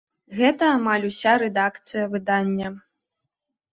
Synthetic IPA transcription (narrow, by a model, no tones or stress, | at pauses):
ɣɛt̪ɐːmalʲusʲaɾɛd̪akt̪sɨjɐvɨd̪anʲːɐ